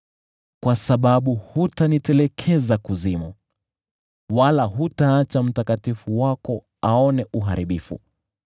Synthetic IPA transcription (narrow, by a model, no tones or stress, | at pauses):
kwasaɓaɓuhutanitɛlɛkʰɛzakuzimu | walaɦutaːt͡ʃam̩takatifuwakɔ | aɔnɛʔuɦa̰ɾiɓifṵ